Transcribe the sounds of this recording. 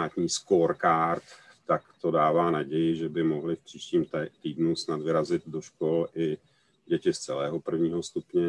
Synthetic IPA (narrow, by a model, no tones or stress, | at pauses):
aːt̪ɲiːskoːɾkaɾt̪ː | akt̪o̞daːvaːnaɟɛjɪʒɛbɪmo̞ɦlɪfpr̥iːʃciːmt̪iːdnusnad̪vɪɾazɪd̪do̞ʃkolʔɪ | ɟɛcɪst͡sɛlɛːɦo̞pr̩vɲiːɦo̞st̪upɲɛ